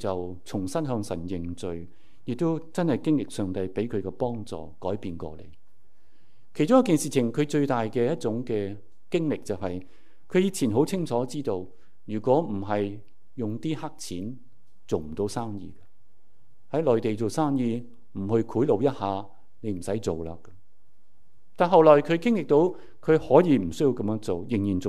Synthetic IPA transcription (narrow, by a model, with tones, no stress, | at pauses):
t͡sɐ˨w | t͡sʰʊ˨˩ŋsɐ˥nɦœː˧ŋsɐ˨˩njɪ˨ŋt͡sɵ˨ɥ | jɪ˨k̚t̪o˥wt͡sɐ˥nhɐ˨jkɪ˥ŋlɪ˨k̚sœː˨˧ŋt̪ɐ˧jpe˨˥jkʰɵ˨˧kɛ˧pɔː˥ŋt͡sɔ̰ː˨˩kɔː˨˥jpiː˧nkɔ̰ː˧lḛ˨˩j | kʰjt͡sʊ˥ŋjɐ˥k̬ːiː˨nsiː˨t͡sʰɪ˨˩ŋkʰɵ˨˧ɥt͡sɵ˧ɥt̪aː˨jkɛː˧jɐ˥t̚t͡sʊ˨˧˥ŋkɛː˧ | kɪ˥ŋlɪ˨k̚t͡sɐ˨wɦɐ˨j | kʰɵ˨˧ɥjiː˧t͡sʰiː˨˩nɦo˨˥wt͡sʰɪ˥ŋt͡sʰɔː˨˥t͡siː˥t̪o˧w | jyː˨˩kʷɔː˨˥m̩˨˩ɦɐ˨j | jʊ˨ŋt̪iː˥ha˥k̚t͡sʰiː˨˥n | t͡so˨wm̩˨˩t̪o˧˥wsaː˥ŋjḭː˧kɐ˧ | hɐ˨˥jlɔː˨˩jt̪e˨jt͡so˨wsaː˥ŋjiː˧ | m̩˨˩hɵ˧ɥkʰuː˨˥jlo˨˧wjɐ˥t̚haː˨˧ | ne˨˧m̩˨˩sɐ˨˥jt͡so˨wla̰ː˧kɐ˧ | t̪aː˨˧nɦɐ˨wlɔː˨˩jkʰɵ˨˧˥kɪ˥ŋlɪ˨k̚t̪o˧w | kʰɵ˨˧ɥhɔː˨˥jiː˧m̩˨˩sɵ˥ji˧wkɐ˨˥mjœː˧˥ŋt͡so˨wjɪ˨˩ŋjiː˨˩nt͡so˨